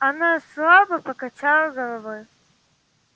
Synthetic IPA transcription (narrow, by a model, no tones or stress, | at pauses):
ɐnaslˠabɐpɐkɐt͡ʃalˠɐɡɐlˠɐvɔj